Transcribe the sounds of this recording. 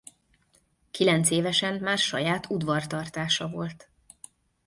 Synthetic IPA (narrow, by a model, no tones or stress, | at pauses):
kilɛnt̪seːvɛʃɛmmaːrʃɒjaːt̪ud̪vɒrt̪ɒrt̪aːʃɒvo̞lt̪